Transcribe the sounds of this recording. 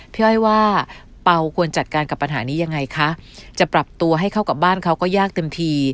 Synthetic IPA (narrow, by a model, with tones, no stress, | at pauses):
pʰi˥˩jwaː˥˩ | pa˧wkʰu˧ənt͡ɕa˨t̪̚kaː˧nka˨˩pːa˧nɦaː˩˦niː˦˥ja˧ŋːa˧jkʰa˦˥t͡ɕa˨˩pɾa˨˩p̚t̪u˧ɐɦa˥˩jkʰa˥˩wka˨˩p̚baː˥˩nkʰa˦˥wkɔː˥˩jaː˥˩k̚t̪e˧mt̪ʰiː˧